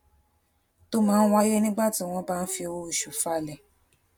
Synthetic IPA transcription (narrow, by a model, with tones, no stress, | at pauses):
to˦mãː˦wa˦je˦nĩ˦ɡ͡ba˦˨tĩ˨˦˧w̃ɔ̃˧˦ba˦˧n̩˦fi˧o˧wo˦i˨ʃu˨fa˧˦˨lɛ˨